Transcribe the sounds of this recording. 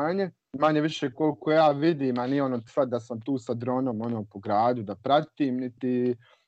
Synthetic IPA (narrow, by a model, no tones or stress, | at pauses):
ɲe | maɲeʋiʃeːko̞lkojaːʋid̪iːmanijeonoːt̪sad̪asamt̪uːsad̪ɾo̞ːnomo̞noːpoɡɾaːd̪ud̪apɾat̪iːmnit̪i